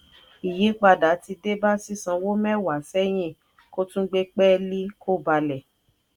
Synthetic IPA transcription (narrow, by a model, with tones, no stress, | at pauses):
i˨je˨˦k͡pa˧da˨˦ti˧de˦ba˦si˦sã˧wo˦mɛ̃˦wa˨sɛ˦j̃ĩ˦˨ | ko˦tũ˦ɡ͡be˦k͡pɛ˦li˦ko˦˨ba˧lɛ˨